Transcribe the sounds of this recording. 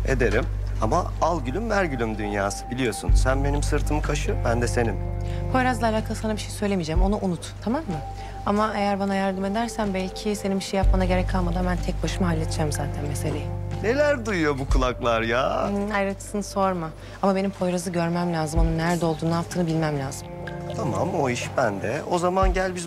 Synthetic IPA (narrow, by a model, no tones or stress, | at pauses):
ḛd̪e̞ɾim | ama̰ | alˠɟylʲymvæɾɟylʲymd̪ynjaːsɯ̥bilʲijo̞sunsænbe̞nimsɯɾt̪ʰɯmɯkʰaʃɯbænd̪ɛse̞nimpʰo̞jɾazˠaːlʲaːkʰalˠɯsanabiʃejisø̞jlʲe̞mijd͡ʒæmo̞nuʔunut̪t̪ʰamamːɯ | amaʔejæɾbanajæɾd̪ɯme̞d̪æɾsænbælʲcʰɪse̞nimbiʃejap̚mad̪aɟe̞ɾɛcʰalˠmad̪ambænt̪ʰɛc̚baʃɯmaɦalʲːet̪d͡ʒɛmzaːt̪ʰænmese̞lʲejine̞lʲæɾd̪ujujo̞bukʰulˠaklˠaɾja̰ːajɾat̪ʰsɯnso̞ɾmɯ | amabenimpʰo̞jɾazɯɟø̞ɾmæmlʲaːzɯmo̞nunːæɾd̪ɛo̞lˠd̪uːnapt̪ʰɯːnɯbilʲmæmlʲaːz̥ɯmt̪ʰama̰mo̞iʃbænd̪ɛo̞zamanɟælʲbiz